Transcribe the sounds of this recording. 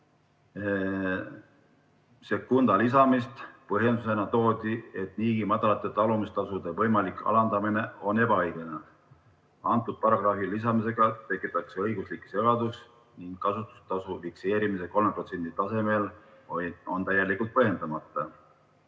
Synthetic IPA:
se̞kːund̪ɑlis̬ɑmist̪pɤɦje̞nd̪us̬e̞nɑt̪o̞ːd̪̥ie̞t̪niːɡimɑd̪̥ɑlɑt̪ːˑe̞t̪ɑlumist̪ɑsud̪̥e̞vɤjmɑlikˑɑ̰lɑnd̪ɑmine̞o̞ne̞bɑejɡ̥ene | ɑnt̪ːˑud̪̥̚pɑɾɑɡ̥rɑfilis̬ɑmise̞ɡ̥ɑt̪e̞kːˑit̪ːˑɑkse̞ɤjɡuslikːˑse̞ɡ̥ɑd̪us | niŋɡ̥kːɑsut̪ːˑu̥st̪ɑsuvikse̞ːɾimis̬e̞ko̞lmepro̞t̪se̞nd̪̥it̪ɑse̞me̞loo̞nt̪æjːelikːˑult̪̚pɤɦje̞nɑmɑt̪ːˑɑ

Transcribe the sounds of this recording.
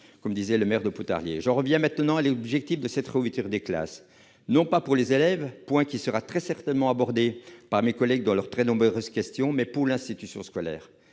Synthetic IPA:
kɔmd̪izɛləmɛʁd̪əput̪a̰ʁljḛʒɑ̃ʁəvjɛ̃mɛ̃t̪nɑ̃alɔbʒɛk̚t̪ifd̪əsɛt̪ʁəvit̪yʁd̪ekla̰s | nɔ̃papuʁlezelɛvpwɛ̃kʲisəʁat̪χɛsɛʁt̪ɛnmɑ̃abɔʁd̪epaʁmekɔlɛɡ̚d̪ɑ̃lœʁt̪χɛnɔ̃bʁøʁøz̥kʲɛst̪jɔ̃mɛpuʁlɛ̃st̪it̪ysjɔ̰̃skɔlɛ̰ːʁ

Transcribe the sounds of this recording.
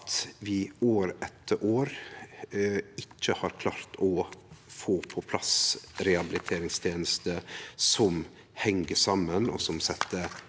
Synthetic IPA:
t̪ʋɪoːɾɛt̪ʰːəɾʔoːɾ | ɪcːəhɑːɾkʰlɑːɾt̪ʰɔfoːpʰɔpʰlɑsɾɛɑbɪlɪt̪ʰeːɾɪŋst̪ʰjeːnəst̪əsɔm | hɛŋːəsɑmːənɔ̰sɔmsɛt̪ːə

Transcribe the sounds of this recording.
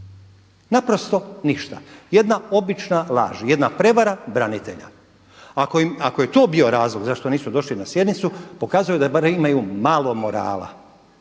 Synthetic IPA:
napɾo̞st̪o̞niʃt̪a̰je̞d̪nao̞bit͡ʃnalˠa̰ːʒje̞d̪napɾe̞ʋaɾabɾanit̪e̞̰ʎa̰ | akomako̞je̞t̪o̞ːbio̞ɾaːzlˠo̞ɡzaʃt̪oniːsud̪o̞ʃlinasje̞d̪nit̪supo̞kaːzujud̪abaɾemimajumalˠo̞mo̞ɾa̰ːla̰

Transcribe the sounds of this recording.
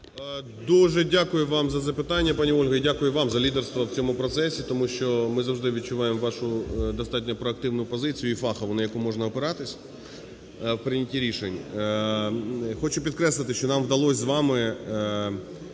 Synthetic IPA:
d̪uʒɛdʲakʊjʊʋɑmzɐzɐpɪt̪ɑnʲːɐpɑnʲiɔlʲɦɐidʲakʊjʊʋɑmzɐlʲid̪erst̪ʋɐwt͡sʲɔmʊpɾɔt̪sɛsʲit̪ɔmuʃt͡ʃɔmɪzɐwʒd̪ɪʋʲid̪̚t͡ʃʊʋɑjemʋɑʃʊd̪ɔst̪ɑtʲnʲɐpɾɔɐk̚t̪ɪʋnʊpɔzɪt͡sʲijʊifɑxɐʋɔnɪjɐkumɔʒnɐɔpɪɾɑt̪ɪsʲ | wpɾɪnʲɐtʲiɾʲiʃenʲ | xɔt͡ʃʊpʲid̪kɾɛslˠɨt̪ɪʃt͡ʃɔnɑmʋd̪ɐlˠɔsʲzʋɑmɪ

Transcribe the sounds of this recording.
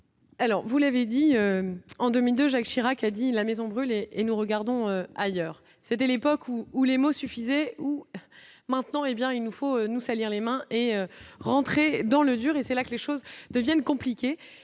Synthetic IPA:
alɔʁvulaved̪iøɑ̃d̪ømild̪øʒakʃiʁakad̪ilamezɔ̃bʁyleːnuʁəɡaʁd̪ɔ̃øajœːʁ | set̪ɛlepɔkʰuːlemosyfizɛu | mɛ̃t̪nɑ̃ebjɛ̃ilnufoønusaliʁlemɛ̃ʔeøʁɑ̃t̪χed̪ɑ̃ləd̪yʁesɛlakəleʃozd̪əvjɛnkɔ̃plikʲe

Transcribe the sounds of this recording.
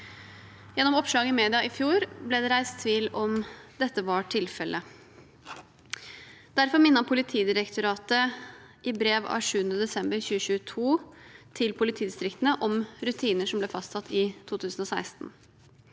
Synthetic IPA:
jɛnːɔmɔpʂɭɑːɡəɪmeːd̪ɪɑɪfjuːɾblɛd̪ɛɾæɪst̪ʰʋiːlɔmd̪ɛt̪ːəʋɑʈʰɪlfɛlʔə | d̪̥æɾfɔɾmɪnːɑpʰʊlɪt̪ʰiːd̪ɪɾəkt̪ʊɾɑːt̪ə | ʔɪbɾeːʋɑ̰ʂʉːənəd̪ɛsɛmbəɾçʉːəçʉːət̪ʰuːt̪ʰɪlpʰʊlɪt̪ʰiːd̪ɪst̪ɾɪkt̪ənəʔɔmɾʉt̪ʰiːnəʂɔmblɛːfɑst̪sʰɑt̪ʰːɪt̪ʰuːt̪ʰʉːsn̩ɔsæɪst̪n̩

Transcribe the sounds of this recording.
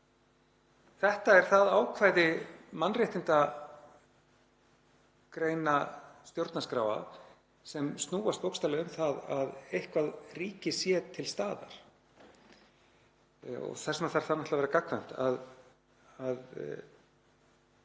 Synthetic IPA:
θɛht̪aɛɾ̥θaðaːwkʰvaːjðɪmanːrɛht̪ɪnt̪a | kɾeːjnast̪jowɾt̪naskɾaːwa̰ð | sɛmst̪nuːwast̪vowkst̪alɪʏmθaðaðejhkvaðriːcɪsjɛt̪ʰɪlst̪aːða̰ɾ̥ | ɔ̰ɣθɛsnaθaɾ̥θanaht̪lavɛːɾakakʰvamn̥t̪a̰ð | að

